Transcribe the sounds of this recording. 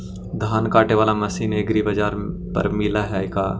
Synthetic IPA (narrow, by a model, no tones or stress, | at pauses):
d̪ʱaːnkaːʈeʋaːlamɐsiːneɡɾibɐd͡ʒaːɾpɐ̰ɾmɪlaɦɛɪkaː